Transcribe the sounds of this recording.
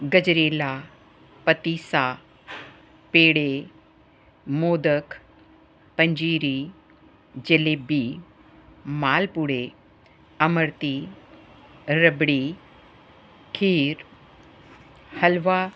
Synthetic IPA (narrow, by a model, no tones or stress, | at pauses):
ɡəd͡ʑɾela | pət̪isa | peɽe | moːd̪ək | pəɲd͡ʑiːɾi | d͡ʑelebi | malpuɽe | əməɾt̪i | ɾəbɽi | kʰiːɾ | həlʋa